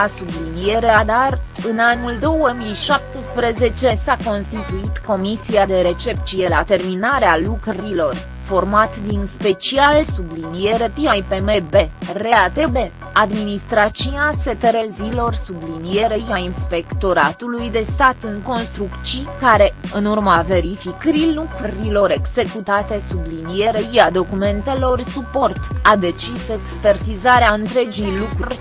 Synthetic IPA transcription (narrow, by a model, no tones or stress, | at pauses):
asublinije̞ɾead̪arɨnanuld̪o̞wəmijʃap̚t̪espɾe̞ze̞t͡ʃe̞sako̞nst̪it̪uit̪ko̞misiad̪e̞ɾe̞t͡ʃe̞p̚t̪t͡ʃije̞lat̪e̞rminaɾealukɾeɾilo̞r | fo̞rmat̪d̪inspe̞t͡ʃialsublinije̞ɾe̞pɾimajpeme̞be̞re̞at̪e̞be̞ | ad̪minist̪ɾat͡ʃiase̞t̪eɾezilo̞rsublinije̞ɾeiainspe̞kt̪o̞ɾat̪ulujd̪e̞st̪at̪ɨŋko̞nst̪ɾukt͡ʃikaɾe̞ɨnurmave̞ɾifikəɾilukɾilo̞ɾe̞ɡz̥e̞kut̪at̪e̞sublinije̞ɾeijad̪o̞kume̞nt̪e̞lo̞rsupo̞rt̪ad̪e̞t͡ʃise̞kspe̞rt̪izaɾeaɨnt̪ɾe̞d͡ʒijlukɾurʲ